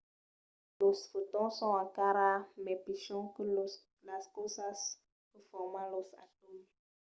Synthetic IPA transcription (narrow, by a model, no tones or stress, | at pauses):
losfutɔ̃sɔ̃akaɾamɛpiʃɔ̃kə | laskosas | kəfɔmãlosa̰tom